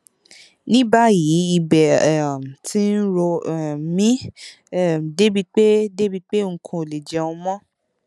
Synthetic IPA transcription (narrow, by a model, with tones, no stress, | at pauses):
nĩ˦ba˦ji˨˦i˧bɛ˨ɛ˨m̩˨tĩ˦n̩˦ɾo˧˨mĩ˦ | ɛ˦˨m˨de˦bi˧k͡pe˦de˦bi˧k͡pe˦˨ŋ̩˨kʰõ˧o˨le˨d͡ʒɛ˨˦õ˧mɔ̃˦